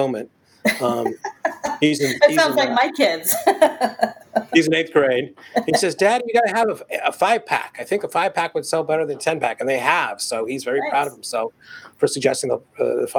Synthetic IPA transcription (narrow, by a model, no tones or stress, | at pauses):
ʊ̃mɨ̃nt̚ | ʌ̃mhizɨ̃nisʌ̃zlaɪk̚maɪkʰɪdz̥ | izɨ̃n̩eɪθɡ̥ɹẽɪdhisɛzdæd̚jɨɡaɾɨəvəəfaɪv̥pʰæ̰kaɪθɪ̃ŋkəfaɪv̥pʰækwəd̥sɛlˠbɛɾə˞ðɨ̃ntʰɛ̃npʰækɨ̃nðeɪəv̥soʊizvɛɹipʰɹ̥aʊɾʌv̥hm̩sɛlˠffə˞sɨɡ̚d͡ʒɛstɪ̃ŋðəʌ̰ðəfa